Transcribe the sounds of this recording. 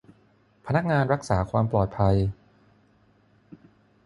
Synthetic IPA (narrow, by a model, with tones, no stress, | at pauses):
pʰa˧na˦˥k̚ŋaː˧nɾa˦˥k̚saː˩˦kʰwaː˧mplɔː˨˩t̪̚pʰa˧j